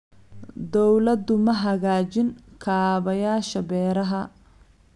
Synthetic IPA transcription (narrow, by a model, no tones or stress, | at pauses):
d̪ɔwlɐd̪ʊmɐɦɐɣaːt͡ʃɪŋkʰaːβɐjaːʃɐbɛːɾɐɦɐ